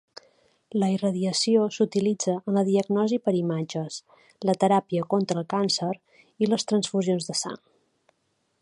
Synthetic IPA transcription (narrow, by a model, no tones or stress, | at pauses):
ləirəðiəsiosut̪ilid͡zəʔənləðiəɡnɔzipəɾimad͡ʒəs | lət̪əɾapiəkont̪ɾəːlˠkansəɾ | iləst̪ɾənsfuzionzðəsa̰ŋ